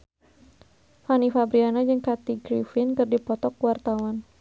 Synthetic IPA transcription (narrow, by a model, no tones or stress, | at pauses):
fanifabɾianad͡ʒɨŋkat̪iɡɾifɪnkɨrdipɔt̪ɔkwart̪awan